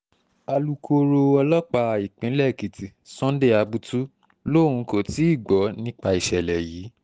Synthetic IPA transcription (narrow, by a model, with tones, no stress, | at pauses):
a˧lu˨kʰo˧ɾo˧ɔ˧lɔ˦k͡pa˧i˨k͡pĩ˨˦lɛ˦˨ki˨ti˨sɔ̃˦de˦˨a˧bu˦tu˦ | lo˦˨ũ˧ko˨ti˨˦i˦˨ɡ͡bɔ˨˦nĩ˦k͡pa˧i˨ʃɛ˨lɛ˨jiː˨˦